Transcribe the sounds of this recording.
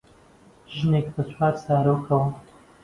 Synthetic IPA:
ʒɨnekbɐt͡sʰwaːɾsaːɾoːkʰɐwɐ

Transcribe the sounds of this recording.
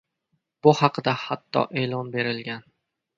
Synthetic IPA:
b̥ʊhɑqɨd̪ahat̪ʰːɒ̰ʔe̞ːlˠɒnbe̞ɾɪlɡʲan

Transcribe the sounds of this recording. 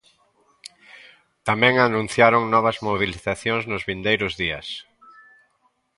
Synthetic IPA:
t̪amɛ̃ŋanũn̟θjaɾʊŋnɔβ̞ɐzmoβiliθaθjoŋznʊzβind̪ejɾʊzðiɐs

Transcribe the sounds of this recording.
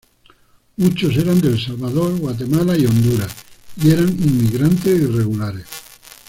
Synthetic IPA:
mut͡ʃos̬eɾand̪elsalβaðoɾɣwat̪̬emalaiond̪uɾaieɾaŋimːiɣɾant̪esireɣulaɾes

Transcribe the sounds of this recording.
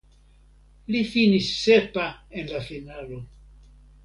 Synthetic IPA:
lifinisːepaẽnlafinalo

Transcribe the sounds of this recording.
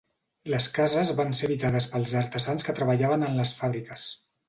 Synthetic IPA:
ləskazəzβanseβit̪aðəspəlˠzəɾt̪əzanskət̪ɾəβəʎaβənənləsfaβɾikəs

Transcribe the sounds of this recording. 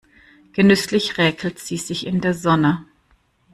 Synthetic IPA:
ɡ̥ənʏslɪçʁɛːkʰl̩tz̥iːzɪçɪndeːɐzɔnə

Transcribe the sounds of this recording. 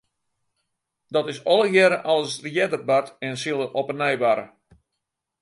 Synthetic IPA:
dɔtɪsɔlˠəjɛɾəʔɔlˠsrjɛdərbatɛnsɪlˠəʔopənɛjʋaɾə̰

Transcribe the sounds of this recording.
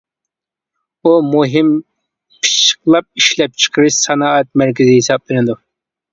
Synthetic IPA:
umuɦɪm | pʰi̥ʃə̥qlˠɑp̚iʃlɛp̚t͡ʃʰə̥qʰəɾɨʃsɑnɑɛt̪̚mæɾk̬ʲɪzɪhisɑp̚lɪnɪd̪u

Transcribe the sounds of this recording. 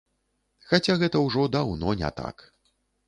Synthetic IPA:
xat͡sʲaɣɛt̪ɐwʐɔd̪awnɔnʲɛ̰t̪a̰k

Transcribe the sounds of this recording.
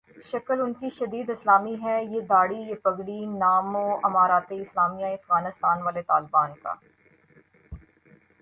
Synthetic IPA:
ʃɐkəlʊnkiʃɐd̪iːd̪ɪslaːmiɦɛjed̪aːɽijepɐɡɽinaːmõːɐmaːɾaːt̪eɪslaːmijãẽɐfɣaːnɪst̪aːnʋaːlet̪aːlbaːnka̰ː

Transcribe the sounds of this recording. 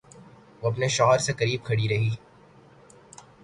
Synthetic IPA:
ʋoːɐp̬neʃɔːɦəɾsekɐɾiːb̚kʰɐɽiɾɐɦiː

